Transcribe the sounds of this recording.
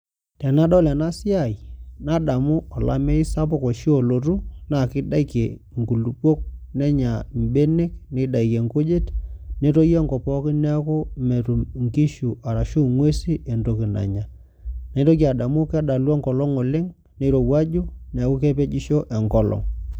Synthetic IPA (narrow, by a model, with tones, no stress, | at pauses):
te˨na˦ɗɔ˦lɛ˨na˦sɪ˦a˨i˨na˦ɗa˨mʊ˦ɔ˨la̰˨mɛ˦ɪ˦sa˦p̬ɔ˦kɔ˨ʃi˦o˨lo˨ɾu˦na˨kɪ˦da˦i˨ke˨ | ŋku˨lu˨po˦k̚nɛ˦ɲa˨mbe˦ne˦knɪ˦ɗa˨i˨ke˨ŋko˦d͡ʒe˦tne˦to˦jɛ˦ŋkɔ˨pɔ˦kɪ˦nɛ˦kʊ˦me˨ɾu˨ŋki˦ʃu˨ʔa˨ɾa˨ʃu˦ŋwe˦si˦ʔe˨ndo˦˨ki˨na̰˨ɲa˨ | ne˦to˦k̬a˨da˨mʊ˦kɛ˦da˨lwɔ˦ŋkɔ˨lɔ˦ŋɔ˨lɪ˦ŋ | ne˨˦ɾo˨wa˦d͡ʒu˦nɛ˨˦kʊ˦ke˦pe˦d͡ʒi˦ʃo˦ʔɛ˨ŋkɔ˦lɔ̰˨ŋ